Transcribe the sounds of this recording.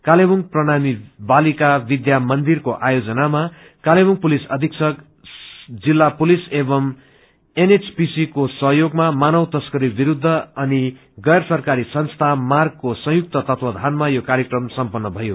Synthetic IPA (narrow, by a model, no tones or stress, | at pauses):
kalebuŋɡprʌnamibalikabid̪jamʌnd̪irkoʔajod͡zʌnama | kalebuŋpulisʌd̪ʱiksʰʌk | d͡zilːapulisebʌm | enet͡spisikosʌɦjoɡmamanʌwt̪ʌskʌɾibiɾud̪ʱːʌʌni | ɡʌjrsʌrkaɾisʌnst̪ʰamarɡ̚kosʌ̃juk̚t̪ʌt̪ʌt̪ʰwʌd̪ʱanmajokaɾjekrʌmsʌmpʌnːʌbʱʌjo